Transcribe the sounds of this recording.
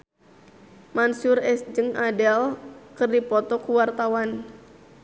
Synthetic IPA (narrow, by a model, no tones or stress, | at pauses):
mansurɛsd͡ʒɨŋʔadɛlkɨrdipɔt̪ɔkuwart̪awan